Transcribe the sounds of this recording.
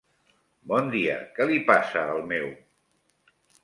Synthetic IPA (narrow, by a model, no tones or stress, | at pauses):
bɔnd̪iə̰kɛlipasəːlˠmɛw